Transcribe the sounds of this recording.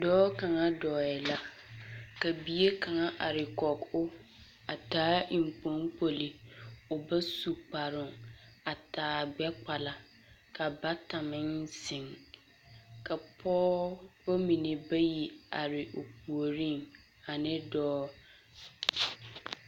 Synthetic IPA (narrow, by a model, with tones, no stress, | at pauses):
dɔː˦ka˨ŋa˦dɔː˨ɛ˨la˦ | ka˨bi˨e˦kʰã˨ŋa˦ʔa˨ɾɪ˨kɔ˨kʊ˦ | a˨taː˦i˨m̩˨k͡pɔ̃˦ŋk͡po˨li˨ʊ˨ba˦su˨k͡pa˨ɾʊ˨ŋ | a˨taː˨˦ɡ͡bɛ˦k͡pa˨la˨ | kʰa˨ba˦tʰa˨mɪ̃˦nsɪ̃˨ŋ | kʰa˨pʰɔː˦bo˦mĩ˨nɪ̃˨ba˦ji˨a̰˨ɾɪ˨ʔo˨p̚ʰu˨o˨ɾĩ˦˨ŋ | a˨nɪ̃˦dɔː˦